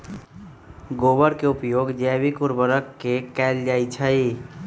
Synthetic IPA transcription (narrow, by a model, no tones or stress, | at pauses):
ɡoːbəɾkeʊpjoːɡd͡ʒɛːbikʊɾbəɾəkːekɛːld͡ʒaːit͡ʃʰai